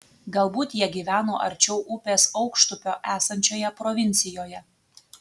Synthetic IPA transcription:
ɡɐlˠbuːt̪jiɛɡʲiːʋʲæːno̰ːʔɐ̰ɾʲt͡ʃʲɛʊʔʊpʲeːsɒʊkʃt̪ʊpʲoːʔæːsɐnʲt͡ʃʲoːjɛpɾɔʋʲɪnʲt̪sʲɪjoːjɛ

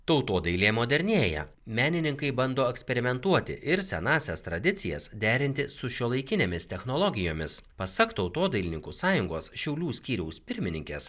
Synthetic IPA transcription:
t̪ɒʊt̪oːd̪ɐɪlʲeːmoːd̪ʲɛɾʲnʲeːjɛ̰ | mʲæːnʲɪnʲɪŋkɐɪbɐnd̪oːɛksʲpʲɛɾʲɪmʲɛnt̪uɔt̪ʲɪ̰ʔɪɾsʲɛnɑːsʲɛst̪ɾɐd̪ʲɪt̪sʲɪjɛsd̪ʲæːɾʲɪnʲt̪ʲɪsʊʃʲuɔlˠɐɪkʲɪnʲeːmʲɪst̪ʲɛxnoːlˠɔɡʲɪjoːmʲɪspɐsɐkt̪ɐʊt̪oːd̪ɐɪlʲɪnʲɪŋkuːsɑːjʊŋɡoːsʃʲɛʊlʲuːsʲkʲiːɾʲɛʊspʲɪɾʲmʲɪnʲɪŋʲkʲeːs

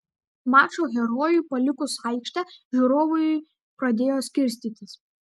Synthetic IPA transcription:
mɑːt͡ʃoɣʲɛɾoːjuːpɐlʲɪkʊsaɪkʃʲt̪ʲɛʒʲuːɾoːʋʊj | pɾɐd̪ʲeːjoːsʲkʲɪɾʲsʲt̪ʲiːt̪ʲɪs

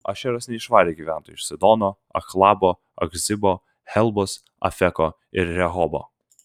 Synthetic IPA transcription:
ɐ̰ʃʲɛɾɐsnʲɛɪʃʋɑːɾʲeːɡʲiːʋʲæˑnt̪oːjʊʃsʲɛd̪ɔnoː | ɐ̰xlˠɑːboː | ɐ̰ɡzʲɪbo | hɛlˠbɔs | ɐ̰fʲɛko | ɪɾɾʲɛɦɔːbo̰ː

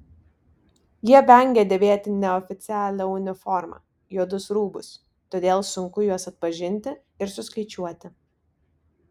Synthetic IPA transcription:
jiɛbʲɛˑŋʲɡʲɛd̪ʲeʋʲeːt̪ʲɪnʲɛɔfʲɪt̪sʲæːlʲɛʊnʲɪfɔɾmɐ̰ | joːd̪ʊsɾuːbʊ̰s | t̪oːd̪ʲeːlˠsʊŋkʊjuɔsɐt̪̚pɐʒʲɪnʲt̪ʲɪ | ɪɾsʊskɐɪt͡ʃʲuɔt̪ʲɪ

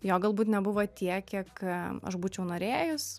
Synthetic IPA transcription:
joːɡɐlˠbuːt̪nʲɛbʊʋoːt̪ʲiɛkʲiɛkɐ̰ʃbuːt͡ʃʲɛʊnoːɾʲeːjʊs

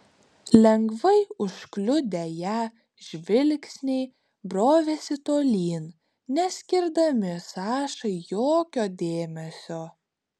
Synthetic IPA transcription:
lʲɛŋɡʋɐɪʊʃklʲʊd̪ʲejæː | ʒʲʋʲɪlʲksʲnʲɛɪ | bɾoːʋʲesʲɪt̪oːlʲiːn | nʲɛsʲkʲɪɾd̪ɐmʲɪsɑːʃɐɪjoːkʲoːd̪ʲeːmʲɛsʲoː

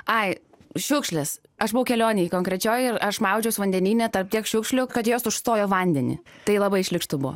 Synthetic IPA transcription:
ɐɪ | ʃʲʊkʃʲlʲɛs | ɐʃbʊʋɐʊkʲɛlʲoːnʲɛjkoːŋkɾʲɛt͡ʃʲoːjɪɾɐʃmɐʊd͡ʒʲɛʊsʋɐnʲd̪ʲɛnʲiːnʲɛt̪ɐrp̚t̪ʲiɛkʃʲʊːkʃʲlʲʊkɐt̪joːsʊʃst̪oːjoːʋɐnʲd̪ʲɛnʲɪ̰ | t̪ɐɪlˠɐbɐɪɪʃʲlʲɪkʃt̪ʊbʊʋo̰

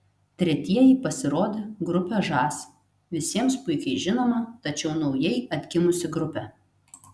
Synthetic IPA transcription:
t̪ʲɾʲɛt̪ʲiɛjiːpɐsʲɪɾoːd̪ʲeːɡɾʊpʲɛʒɑːsʲ | ʋʲɪsʲiɛmspʊɪkʲɛɪʒʲɪnoːmɐt̪ɐt͡ʃʲɛʊnɒʊjɛɪɐt̪ʲkʲɪmʊsʲɪɡɾʊpʲɛ

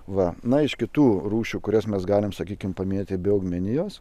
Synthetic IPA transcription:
ʋɐnɐɪʃkʲɪt̪uːruːʃʲuːkʊɾʲɛsmʲɛsɡɑːlʲɪmsɐkʲiːkʲɪmpɐmʲɪnʲet̪ʲɪbʲeʊɡmʲɛnʲɪjoːs

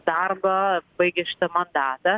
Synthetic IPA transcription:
d̪aɾbɐbɐjɡʲɪʃt̪ɐmɐnd̪aːt̪ɐ

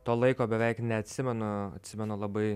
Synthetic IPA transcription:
t̪oːlˠɐɪkoːbʲɛʋʲɛɪknʲɛɐt̪ʲsʲɪmʲɛnʊɐ̰t̪ʲsʲɪmʲɛnʊlˠɐbɐɪ

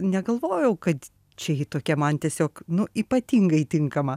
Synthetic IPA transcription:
nʲɛɡɐlˠʋoːjɛʊkɐt̪ | t͡ʃʲɛit̪oːkʲɛmɐnt̪ʲiɛsʲoːknʊiːpɐt̪ʲiːŋɡɐɪt̪ʲɪŋkɐmɐ

